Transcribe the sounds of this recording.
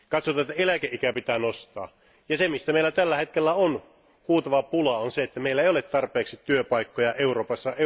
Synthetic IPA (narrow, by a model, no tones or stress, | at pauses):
kɑt̪sot̪ɑet̪ːæelækeʔikæpit̪æːnost̪ɑ̰ː | jɑsemist̪æmeilæt̪ælːæhet̪̚kelːæon | huːt̪ɑʋɑpulɑonseet̪ːæmeˑilːæeijolet̪t̪ɑrpeːksit̪yøpɑikːojɑʔeuroːpɑsːɑe